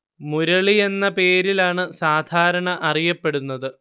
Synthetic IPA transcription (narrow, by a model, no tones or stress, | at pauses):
muɾɐɭie̞nːɐpe̞ːɾilaːɳɨsaːd̪ʱaːɾɐɳɐʔɐrijɐpːe̞ɽunːɐðɨ